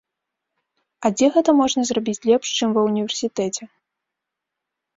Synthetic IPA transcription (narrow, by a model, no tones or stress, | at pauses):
ɐd͡zʲɛɣɛt̪ɐmɔʐnɐzrabʲit͡sʲlʲɛpʂt͡ʂɨmvɐwnʲivʲɛrsʲit̪ɛt͡sʲɛ